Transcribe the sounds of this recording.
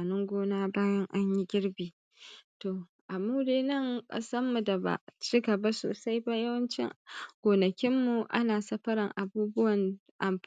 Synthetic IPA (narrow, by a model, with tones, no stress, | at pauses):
a˨nʊ˦ŋɡʷoː˦naː˦baː˦jɐ˦ŋʔa˦ɲji˦ɡʲɪ˦ɽbiː˨ | toː˨ | ʔa˨muː˦deː˦nɐ˦˨ŋkʼɐ̰˦sɐ˦mːu˨da˨ba̰˨t͡ʃi˦ɡɐ˨ba˦so̰ː˨sa˦jba˦jɐ˦wɐ˦nt͡ʃɪ̰˦ŋɡ̥ʷoː˨nɐ˨kʲɪ˦mːu˨ʔa̰˦naː˨sɐ˦ɸɐ˦ɾɪ˨ŋʔa˨buː˦bʊ˦wɐ˨n | ʔa˨m